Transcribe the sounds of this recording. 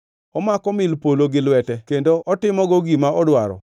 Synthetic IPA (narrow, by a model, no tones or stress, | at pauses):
ɔmakɔmɪlpoloɡɪlwɛtɛkendoʔɔtɪmɔɡoɡimaɔdwaɾɔ̰